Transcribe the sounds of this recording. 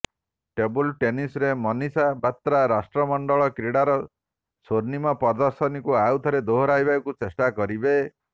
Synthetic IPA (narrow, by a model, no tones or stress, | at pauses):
ʈebulʈenisɾemɔnisabat̪ɾaɾasʈɾɔmɔɳɖɔɭɔkɾiɽaɾɔ | soɾnimɔpɔɾd̪ɔɾsɔnikuawt̪ʰɔɾed̪oɦɔɾajbakut͡ʃesʈakɔɾibe